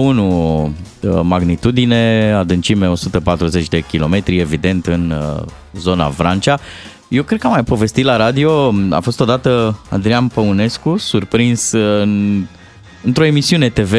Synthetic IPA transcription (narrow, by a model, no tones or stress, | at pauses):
unu | maɡnit̪ud̪ine̞ad̪ɨnt͡ʃimeo̞sut̪əpat̪ɾuze̞t͡ʃʲd̪e̞kʲilo̞me̞t̪ɾie̞vid̪e̞nt̪ɨn | zo̞na̰fɾant͡ʃa | je̞wkɾed̪̚kəamajpo̞ve̞st̪it̪laɾad̪io̞a̰fo̞st̪o̞d̪at̪əa̰nd̪ɾianpəune̞skusurpɾinsɨn | ɨnt̪ɾo̞e̞misiune̞t̪e̞ve